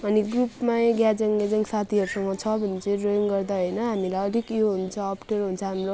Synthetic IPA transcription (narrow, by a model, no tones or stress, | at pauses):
ʌniɡrupmaeɡjad͡zʌŋlet͡saĩsat̪ʰiʌɾusʌŋɡʌt͡sʰʌbʱʌnit͡sʌĩroŋɡʌrd̪aɦʌjnʌɦamilajʌlikjoɦunt͡sʰʌːpʈerɦunt͡sʰʌɦamro